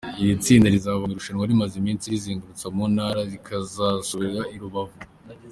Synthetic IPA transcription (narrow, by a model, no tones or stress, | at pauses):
ijit͡siːndaɾizaːβoiɾuʃanwaɾimazimiːnsiɾiziːŋɡaɾut͡samunhaɾaɾikʰazasoβiɾɾaiɾuβavu